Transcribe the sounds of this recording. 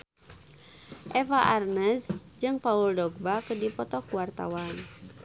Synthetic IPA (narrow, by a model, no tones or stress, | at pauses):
ʔɛfaʔarnɛs | d͡ʒɨŋpauldɔɡ̚bakədipɔt̪ɔkuwart̪a̰wan